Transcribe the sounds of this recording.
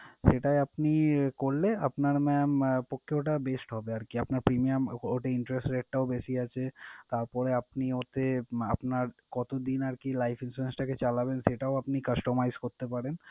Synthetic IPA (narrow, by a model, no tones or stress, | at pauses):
ʃeʈajapnikoɾlea̰pnaɾmɛmpokʰːeoʈabesʈɦɔbeaɾkiapnaɾpɾimijamoʈeiɳʈɾesʈɾeʈ̚ʈaobeʃiat͡ɕʰet̪aɾpɔɾeapniot̪ea̰pnaɾkɔt̪od̪inaɾkilajfʰinsuɾensʈaket͡ɕalabenʃeʈaoapnikəsʈomajzkoɾt̪epaɾen